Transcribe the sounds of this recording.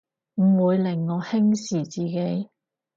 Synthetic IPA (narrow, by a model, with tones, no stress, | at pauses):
m̩˨˩wuː˨˧jlɪ˨˩ŋːɔː˨˧hɪ˥ŋsiː˨˩t͡siː˨ke˨˥j